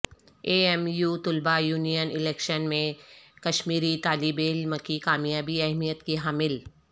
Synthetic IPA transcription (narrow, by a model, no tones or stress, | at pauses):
eːɛmjuːt̪ʊlbajuːnijənɪlɛːkʃənmẽkɐʃmiːɾit̪aːlibeːlməkːikaːmijaːbiɐɦmijət̪kiɦaːmɪl